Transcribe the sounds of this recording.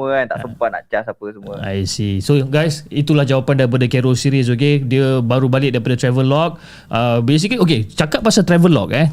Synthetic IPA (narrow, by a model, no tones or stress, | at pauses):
əant̪a̰ʔsəmpat̪̚na̰ʔt͡ʃasapəsəmuəa̰jsisoɡajsit̪ulahd͡ʒawapandaɾip̬adakɛɾɔlsiɾis̬ok̬ediəbaɾubalɪʔ̚daɾipadat̪ɾɛvəlːɔk̚ | ʔəbes̬ikiok̬et͡ʃakat̪̚pasat̪ɾɛvəlɔ̰k̚ɛ